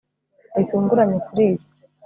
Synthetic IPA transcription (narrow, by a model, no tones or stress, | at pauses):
ituːŋɡuɾaɲekuɾiːzo̥